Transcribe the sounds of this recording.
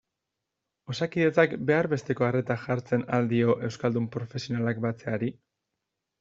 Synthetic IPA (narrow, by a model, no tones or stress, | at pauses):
o̞sakiðe̞t͡sakbe̞aɾβe̞st̪e̞ko̞are̞t̪axaɾt͡se̞nald̪io̞ʔe̞wskald̪umpɾo̞fe̞sio̞nalak̚bat͡se̞aɾi